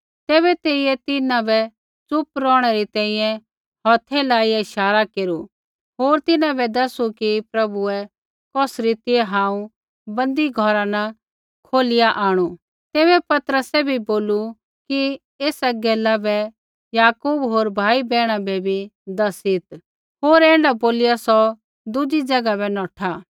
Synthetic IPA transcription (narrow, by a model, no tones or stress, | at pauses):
t̪eːβɛt̪eːiɛt̪ɪnãbɛ | t͡sʊpɾɔ̃ːɽ̃ɛɾit̪ɛ̃ːĩjɛ̃ | ɦɔːt̪ʰɛlaːiɪʃaːɾakeːɾu | ɦoːɾt̪ɪnãbɛd̪ɐsukipɾɐbuɛ | kɔsɾɪt̪iɛɦãːũ | bɐ̃nd̪iɡʱɔɾanɐ | kʰoːlɪjaʔaːɽ̃u | t̪eːβɛpɐt̪əɾəsɛbʱiboːlu | ki | eːsɐɡɛːlabɛ | jaːkuːbɦoːɾbʱaːibɛːɽ̃abɛbʱid̪ɐsɪt̪ | ɦoːɾɛ̃ːɽɖaboːlɪjasɔ | d̪ʊd͡ʒid͡ʒɐɡabɛnɔːʈʰaː